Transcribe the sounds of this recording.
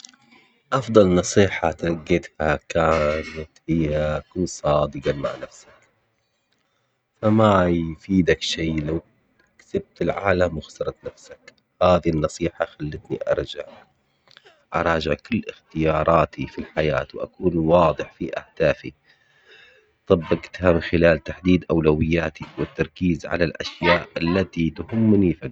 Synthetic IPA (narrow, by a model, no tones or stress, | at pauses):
ʔɑfd̪ˤɑlnɑsˤiːħat̪aɡːɪt̪hakaːnat̪hɪjːaʔakuːnsˤɑːd̪ɨɡɑma̰ʕnafsḁk | famajfiːd̪akʃiːlaw | ksab̚t̪ɪlʕaːlamwɪxsɑɾˤɑt̪nafsak | haːðinːɑsˤiːħaxalːɪt̪niʔɑ̰ɾˤd͡ʒaʕ | ʔɑ̰ɾˤɑːd͡ʒɪʕkɪlːɪxt̪ɪjɑːɾˤɑːt̪ʰifilħajaːt̪wʔa̰kuːnwɑːd̪ˤɨħfiʔa̰hd̪̥aːfḭ | t̪ˤɑbːɪqt̪hamɪnxɪlaːlt̪aħd̪iːd̪ʔawlawɪjːaːt̪iwɪt̪ːɑɾˤkiːzʕa̰lalʔa̰ʃjaːʔʔalːat̪it̪ʊhʊmːnifa